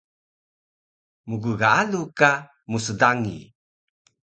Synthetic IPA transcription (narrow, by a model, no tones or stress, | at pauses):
muɡuɣaaluka | mus̬ədaŋḭ